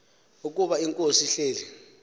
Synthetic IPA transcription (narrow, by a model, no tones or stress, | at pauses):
uk̬ʼuɓaiŋkʼosiɬeːli